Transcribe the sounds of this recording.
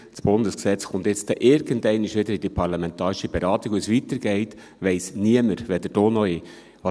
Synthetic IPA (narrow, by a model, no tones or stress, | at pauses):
t͡sb̥ʊnd̪əsksɛt͡sxʊnt̪ɪt͡st̪ɛʔɪɾɡəndɛɪniʃʋɪd̪əɾid̥ipʰɑɾlɑmɛnt̪ɑːɾɪʃib̥eɾɑːt̪ikusʋit̪əɾɡ̥ɛɪt | ʋɛɪsniəməɾʋɛd̪əd̥oːnɔɪ | ʋɑ